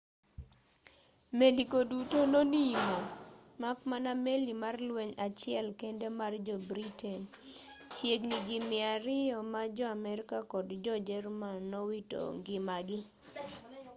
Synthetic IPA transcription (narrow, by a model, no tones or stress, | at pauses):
melikodutononimɔmakmanamelimarlweɲat͡ʃɪɛlkendemard͡ʒɔbɾitɛn | t͡ʃjeɡnid͡ʒimɪaɾɪjɔmad͡ʒɔamɛɾɪkakɔdd͡ʒɔd͡ʒɛrmannːɔwito̰ŋɡɪmaɡɪ